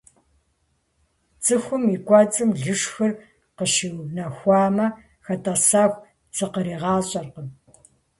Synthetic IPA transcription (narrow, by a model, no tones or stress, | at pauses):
t͡sʼɨxʷʊmikʷʼɐt͡sʼɨmɮɨʂxɐr | qəʃɪwnɐxʷɑːmɐ | xɐtʰɐsaːxʷ | t͡sʰʼɨqəɾiːʁɑːɕʼɐrqə